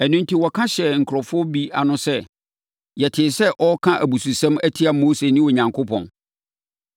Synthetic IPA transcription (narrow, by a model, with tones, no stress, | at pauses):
æ˨nũ˦n˦tʰi˦wɔ˨kʰã˦ɕɛ˨ŋ̩˨kʰɾɔ˨fʊ˦ɔ˦bi˦a˨nʊ̃˦sɛ˦ | jɛ˨tʰɪ˨sɛ˦ʔɔ˦kʰã˦ʔæ˨bu˨su˨sɛ̃˦mæ˦tʰi˦a˨mo˦se˨nɪ̃˦wɔ˨ɲã˨ŋkʰo˦pʰɔ̰̃˨n